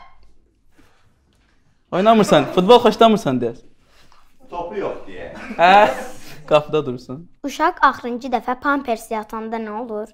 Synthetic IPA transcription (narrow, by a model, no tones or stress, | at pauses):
ojnɑmɯɾsɑnfut̪̚bolˠχoʃd̪ɑmɯɾsɑnd̪ijɛs | t̪ʰopujoχd̪ijɛhæ | ɡ̥ɑfɯd̪ɑd̪uɾsun | uʃɑkɑχɾɯnd͡ʒɯd̪æfæpʰɑnpʰeɾsijɑt̪ʰɯnd̪ɑnæolˠuɾ